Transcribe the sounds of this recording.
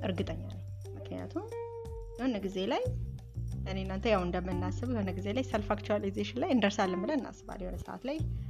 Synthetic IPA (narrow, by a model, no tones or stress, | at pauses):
ʔɨɾɡɨt̪ʼəɲːalaj | mɨknja̰t̪ʰum | jɛho̞nəɡize̞laj | ənenːant̪əjawɨnd̪əmːɨnːasɨβjɛho̞nəɡize̞lajsɛlfakt͡ʃualizeʃɪnlajɨnd̪əɾsalːɨmbɨləɨnːa̰sɨβa̰ljɛho̞nəsə̰ʔa̰t̪laj